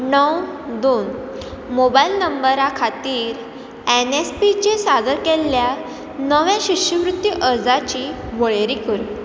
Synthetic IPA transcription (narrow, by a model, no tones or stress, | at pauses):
nəwd̪oːn | mobajilnəmbəɾakʰat̪iːɾ | enespit͡ɕesad̪əɾkelːja | nəʋjãɕiɕəʋɾut̪ːjiʔəɾd͡zat͡ɕiʋəɭeɾikəɾ